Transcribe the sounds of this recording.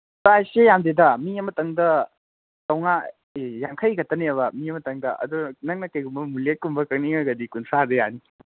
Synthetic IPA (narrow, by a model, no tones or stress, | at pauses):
sajsejamdedɐmiɐmɐtɐŋdɐ | tɐwŋa | jaŋkʰɐjɡɐtɐneɐβɐmiɐmɐtɐŋdɐʔɐ̰dunɐŋ̚nɐkɐjɡumbɐmulet̚kumbɐkɐk̚niŋɐɡɐdikunsadɐjani